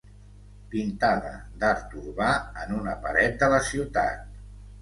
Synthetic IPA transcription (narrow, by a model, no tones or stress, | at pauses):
pint̪aðə̰d̪əɾt̪uɾβaənunəpəɾɛt̪̚d̪ələsiwt̪a̰t̪̚